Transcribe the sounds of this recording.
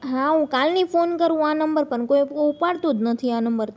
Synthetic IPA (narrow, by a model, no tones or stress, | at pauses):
ɦãɦũkalnifonkəɾũanəmbəɾpəɳkoiupaɽt̪od̪nət̪ʰianəmbəɾ